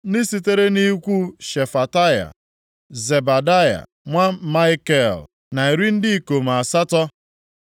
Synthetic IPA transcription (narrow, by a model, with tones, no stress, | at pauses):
nɪ˦si˨t̬e˦ɾe˦ni˦kʷu˦ʃe˨fa˨ta˦ja̰˨ | ze˨ba˨da˦ja̰˨ | ŋʷa˦ma˦ɪ˦ke˦˨l | na˨e˨ɾi˦n̩˦dɪ˦i˦ko˨m˨a˨sa˦tɔ˦